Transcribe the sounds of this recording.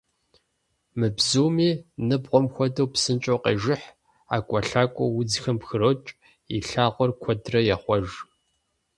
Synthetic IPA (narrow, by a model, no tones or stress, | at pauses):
mɨbzuːmiːnɨbʁʷɔmxʷɔdɐwpsɨnt͡ʃʼoːqḛʒɪħ | a̰ːkʷʼɔɬaːkʷʼɔ̰wʊd͡zxɐmpxɨɾoːt͡ʃʼ | ḭɬaːʁʷɔrkʷʰɔdrɐjaχʷɔʒ